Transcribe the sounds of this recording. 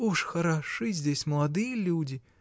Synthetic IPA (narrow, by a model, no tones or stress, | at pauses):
uʃxɐɾaʃɨzʲd̪ʲɛsʲmlˠad̪ɨːlʲuːd̪ʲi